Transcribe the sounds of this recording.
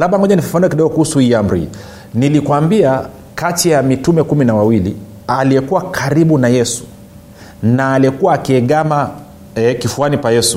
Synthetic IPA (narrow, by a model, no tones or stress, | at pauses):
laɓaŋɔʄanifu̥faniakiɗɔɡɔkuhusuhiːam̩ɾḭ | nilikwambia | katijamitumɛkuminawawilḭ | alijɛkuwakʰaɾiɓunajɛsu̥ | naːliɛkuwaːkiɛɠama | ɛkifuanikajɛsu